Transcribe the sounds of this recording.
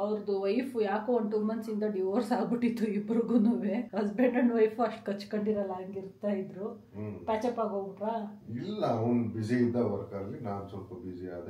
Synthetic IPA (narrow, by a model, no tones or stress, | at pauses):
ɐʋɾd̪uʋɐjfujaːkooɳʈuːmɐnsind̪ɐɖiʋoːɾsaːɡbiʈːit̪ːuibɾuɡunuːʋehɐsbeɳɖɐɳɖʋɐjfuɐʂʈkɐt͡ʃːkɐɳɖiɾɐlɐɐŋɡiɾt̪ajid̪ɾu | paːt͡ʃɐpːaːɡouɳʈɾaːilːɐɐɔnbid͡ʒiid̪ːɐʋɐɾkɐɾɐlːinaːnsɔlpɐbid͡ʒia̰ːd̪e